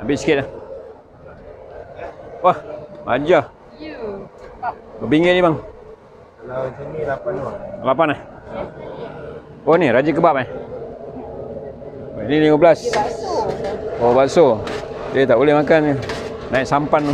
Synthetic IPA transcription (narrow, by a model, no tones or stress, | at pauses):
ambɪʔsi̥kɪt̪̚ah | wahma̰d͡ʒa | bəbiŋɡɪtnimaŋ | lpanlapanah | oniɾad͡ʒək̬əbap̚ah | oinilimabəlas | obaʔsodiat̪aʔulehmakan | naiʔsampan